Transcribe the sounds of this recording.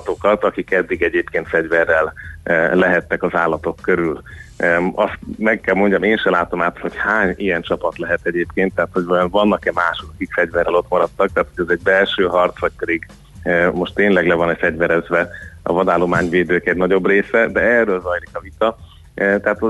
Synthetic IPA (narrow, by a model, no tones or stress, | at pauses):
t̪o̞kɒt̪ɒkikɛd̪ːiɡɛɟeːpkeːnt̪fɛɟvɛrːɛllɛɦɛt̪ːɛkɒzaːlːɒt̪o̞kːøɾyl | ɒst̪mɛkːɛlmo̞ɲɟɒmeːnʃɛlaːt̪o̞maːt̪ho̞chaːɲijɛnt͡ʃɒpɒt̪lɛɦɛt̪ɛɟeːpkeːnt̪ːɛɦaːt̪ho̞ɟvɒjonvɒnːɒkɛmaːʃokɒkikfɛɟvɛrːɛlo̞t̪mɒɾɒt̪ːɒk̚t̪aːt̪ho̞ɟɛzɛɟ̚bɛlʃøːɦɒrt̪sʋɒc̚pɛd̪iɡ | mo̞ʃtt̪eːnlɛɡlɛvɒnɛfɛɟvɛɾɛzvɛɒ̰vɒd̪aːlo̞maːɲveːd̪øːkɛɟnɒɟo̞breːsɛd̪ɛɛrːøːlzɒjlikɒvit̪ɒ | t̪ɛaːt̪o